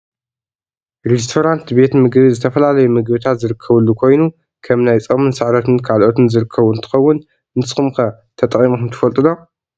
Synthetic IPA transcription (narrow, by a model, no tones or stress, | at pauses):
ɾes̬t̪ʰoɾant̪be̞t̪mɨɡbizɨt̪ʰɐfɐlalɐjumɨɡbɨt̪ʰat̪zɨɾɨkʰːɐβɨlːukʰo̞jnu | kʰɐmnajt͡sʼɐmɨnsɨʕɾɐt̪ʰɨnkʰalʔo̞t̪ɨnzɨɾɨkʰːɐβʊnt̪ʰɨ̥xɐwːʊn | nɨsxɨmxɐ | t̪ʰɐt̪ʼɐχʼimoxmt̪ʰɐfɐlt̪ʼɨlo̞